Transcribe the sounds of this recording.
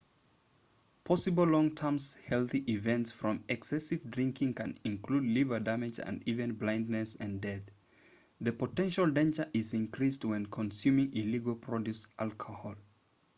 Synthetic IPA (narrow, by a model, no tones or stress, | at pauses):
pʰɔsɨbl̩ˠlɔ̃ŋtʰɜ̃˞mz̥hɛlˠθiʔɪvɛ̃ntsfɹʌ̃mɛksɛsɨvdɹɪ̃ŋkʰɪ̃ŋkʰɨ̰̃nɪ̃nkʰludˡlivə˞dæmɨd͡ʒɨ̰̃ndivɨ̃nblãɪ̃ndnɨsɨ̃ndɛθ | ðɨpətɛ̃nʃəlˠdẽɪ̃nd͡ʒə˞ʔɪzɪ̃nkɹ̥ist̚wɛ̃nkʰə̃nsjʉmɪ̃ŋɪliɡəlˠpʰɹ̥ɔdʉsʔalˠkʰəhɔlˠ